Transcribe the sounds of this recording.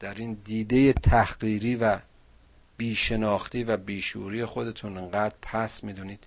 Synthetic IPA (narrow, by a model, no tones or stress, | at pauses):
d̪̥æɾiːnd̪iːd̪e̞jet̪ʰæhɢiːɾiːvæ | b̥iːʃe̞nɒːxt̪iːvæbiːʃuːɾiːjexo̞d̪e̞t̪ʰuneŋɢæːd̪ɾpʰæsmiːd̪uːniːd̪̥